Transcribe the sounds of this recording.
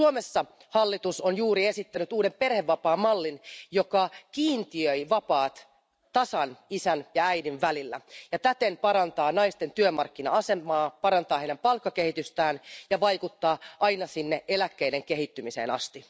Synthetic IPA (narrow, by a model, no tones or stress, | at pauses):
uomesːɑ | hɑlːit̪usonjuːɾie̞sit̪ːænyt̪uːde̞mpe̞rheʋːɑpɑːmɑlːinjo̞kɑkiːnt̪iøiʋɑpɑːt̪ | t̪ɑsɑnisænjɑæjdiʋʋælilːæ̰jɑt̪æt̪enpɑɾɑnt̪ɑːnɑist̪e̞nt̪yømɑrkːinɑɑse̞mɑːpɑɾɑnt̪ɑːheidæmpɑlkːɑke̞hit̪yst̪æːnjɑʋɑjkut̪ːɑːʔɑjnɑsinːeʔelækːeideŋke̞hit̪ːymisḛːnɑ̰st̪i